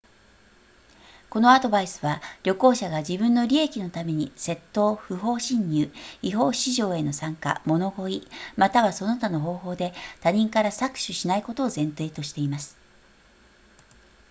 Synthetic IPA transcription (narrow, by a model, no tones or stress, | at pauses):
ko̞no̞ad̪o̞baisɨ̥βaɾʲo̞ko̞ːɕaɡaʑibɯ̟̃nːo̞ɾʲie̞kʲino̞t̪ame̞ɲ̟ḭse̞t̪ːo̞ːɸɯ̟ɦo̞ːɕĩɲ̟ːɯːiɦo̞ːɕiʑo̞ːe̞no̞sãŋka̰mo̞no̞ɡo̞imat̪aβaso̞no̞t̪ano̞ɦo̞ːɦo̞ːd̪e̞t̪aɲ̟ĩŋkaɾasakɯ̥ɕɨɕinaiko̞t̪o̞ːzẽ̞nt̪e̞ːt̪o̞ɕi̥t̪e̞imasɨ̥